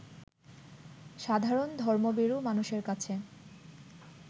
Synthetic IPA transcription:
ʃad̪ʱaɾond̪ʱɔɾmobeɾumanuʃeɾkat͡ɕʰe

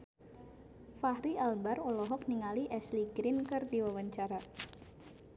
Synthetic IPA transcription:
fahɾialbarolɔɦɔk̚niŋaliʔɛsliɡɾɪnkɨrdiwawaɲt͡ʃaɾa

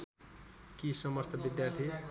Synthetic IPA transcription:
kisʌmʌst̪ʰʌbid̪jart̪ʰi

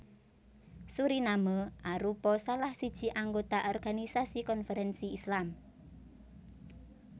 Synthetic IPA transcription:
suɾinaməʔaɾupɔsalahsid̥ʒ̥i̤ʔaŋɡot̪aʔɔrɡ̥anisasikɔnfɛɾɛnsiːslam

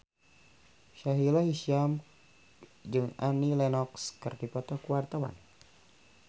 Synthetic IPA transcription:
ʃaɦilaɦiʃiam | d͡ʒɨŋanilɛnɔkskɨrdipɔt̪ɔkuwart̪awa̰n

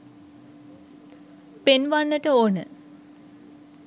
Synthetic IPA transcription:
penʋanːəʈəoːnə̰

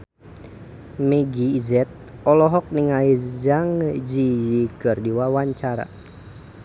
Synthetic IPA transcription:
mɛɡiːzɛt̪̚ɔlɔɦɔk̚niŋaid͡ʒaŋəd͡ʒijikɨrdiwawaɲt͡ʃaɾa̰

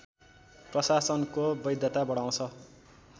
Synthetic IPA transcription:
prʌsasʌnkobʌjd̪ʱjʌt̪abʌɽaw̃t͡sʰʌ

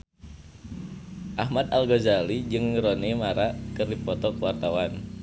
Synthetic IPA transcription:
ʔahmat̪alɡozalid͡ʒɨŋɾonimaɾakɨrdipɔt̪ɔkəwart̪awan

